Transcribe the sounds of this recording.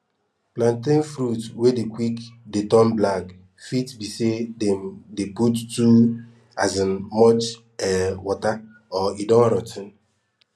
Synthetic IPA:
plãntĩnfɾutwedekwikdetɔ̃mblak | fitbisedɛmdeputtu | azinmɔt͡ʃ | ɛwɔta | ɔidɔ̃nɾɔtʰĩn

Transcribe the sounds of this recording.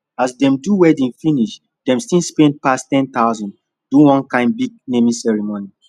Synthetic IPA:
asdɛ̃mduwɛdĩnfiniʃ | dɛ̃mstĩlspɛ̃nd̚pastɛ̃nt̪aʊzɔ̃nd | duwɔ̃nkãɪ̃nbiɡ̚nemisɛɹimoni

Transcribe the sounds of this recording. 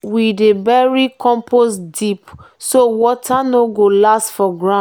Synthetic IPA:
widebɛɹikɔ̃mpʰosdipsowɔtʰanoɡolastfɔɡɹã

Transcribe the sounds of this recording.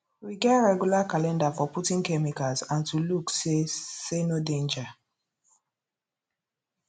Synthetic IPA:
wiɡɛtɹɛɡjulakalɛ̃ndafɔputĩŋkɛmikazãntuluksesenodẽnd͡ʒa

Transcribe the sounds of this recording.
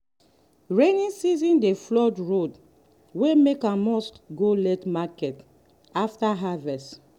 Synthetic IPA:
ɹenĩnsizĩndeflɔdɹod | wemekãmɔskɡolɛtmakɛt | aftaɦavɛst

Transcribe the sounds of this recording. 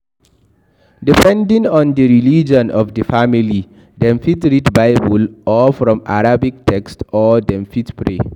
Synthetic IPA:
dipɛ̃ndĩŋɔ̃ndəɹilid͡ʒɔ̃nɔfdəfamili | dɛ̃mfitɹidbaɪbulɔfɹɔ̃ma̰ɹabik̚tʰɛkstɔdɛ̃mfitpʰɹḛ

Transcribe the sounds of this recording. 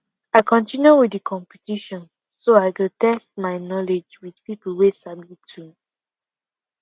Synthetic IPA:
aɪkʰɔ̃ntĩnjuwidəkʰɔ̃mpitiʃɔ̃n | soaɪkitɛst̚maɪnɔled͡ʒwið̥pipl̩wesablitʰu

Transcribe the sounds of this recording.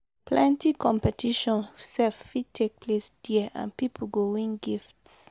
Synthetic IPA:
pʰlɛ̃ntikʰɔ̃mpɛtʰiʃɔ̃nsɛffid̚tʰek̚pʰlesd̥iʔã̰npipʰəl̩ɡowĩŋɡifts

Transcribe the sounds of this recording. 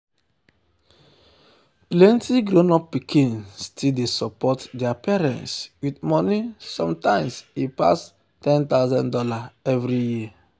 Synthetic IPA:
plɛ̃ntiɡɾonɔp̚ːikʰĩnstʰidesɔpɔtdɛapɛɾɛ̰̃ntswidmɔnisɔ̰̃mtãɪ̃msipa̰s | tɛ̃nt̪aʊzɔ̃ndɔlaɛvɾiji

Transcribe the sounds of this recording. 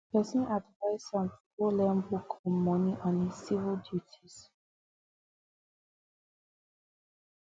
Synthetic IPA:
pɛsɔ̃nadvaɪsɔ̃npolɛ̃mbukʰɔ̃mɔ̃niʔɔ̃ni̥sivildjutʰis

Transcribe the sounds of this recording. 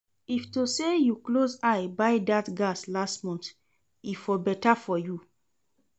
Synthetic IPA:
iftosejuklozajbaɪdatɡaslastmɔ̃nt | ifɔbɛtafɔju

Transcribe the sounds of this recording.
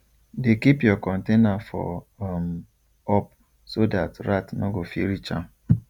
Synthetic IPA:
dekipjɔkɔ̃ntenafɔ̰m | ɔp̚ | sodatɾatnɔɡofiɾit͡ʃã̰m

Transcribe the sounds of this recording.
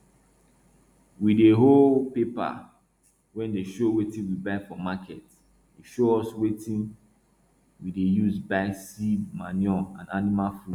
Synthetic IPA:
wideɦolpepa̰ | wɛ̃ndeʃowetĩnwibaɪfɔmakʰɛt | iʃoɔswetĩn | widejuzbaɪsidma̰njɔã̰nanimalfu

